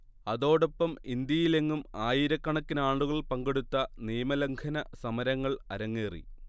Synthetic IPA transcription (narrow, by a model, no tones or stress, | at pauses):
ɐðo̞ːɽopːɐmind̪jɐjile̞ŋːumaːjiɾɐkːɐɳɐkːinaːɳɖuɣɐɭpɐŋɡeɽut̪ːɐniːmɐlɐŋkʰɐnɐsɐmɐɾɐŋːɐɭɐ̰ɾɐŋːeːrḭ